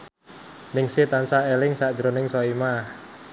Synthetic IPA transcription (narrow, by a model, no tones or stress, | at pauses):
nɪŋsit̪ansaelɪŋsaʔd̥ʒ̥ɾonɪŋsɔimah